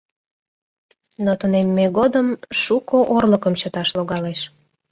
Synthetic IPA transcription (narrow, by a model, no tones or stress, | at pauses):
not̪unemːeɣod̪əmʃukoʔorləkəmt͡ɕət̪ɑʃloɣɑleʃ